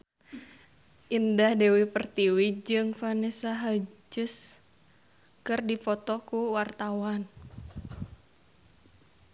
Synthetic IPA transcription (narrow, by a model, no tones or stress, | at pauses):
ʔindahdɛwipərt̪iwid͡ʒɨŋfanɛsaɦad͡ʒʊs | kɨrdipɔt̪ɔkuwart̪awan